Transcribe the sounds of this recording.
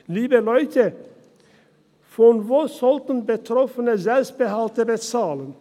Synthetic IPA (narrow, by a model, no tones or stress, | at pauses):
liːbəlɔʏtʰə | fɔnvoːz̥ɔltn̩bətʁ̥ɔfənəzɛlpst̚b̥əɦaltəbət͡saːlən